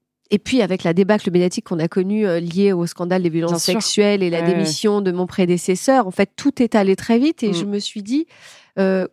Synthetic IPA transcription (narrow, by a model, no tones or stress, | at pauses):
epɥiavɛklad̪ebakləmed̪jat̪ikːɔ̃nakɔnyøljeoskɑ̃d̪ald̪evjɔlɑ̃sːɛksɥɛlelad̪emisjɔ̃d̪əmɔ̃pχed̪esesœːʁɑ̃fɛt̪ːut̪ɛt̪alet̪χɛvit̪eʒəməsɥid̪i | ø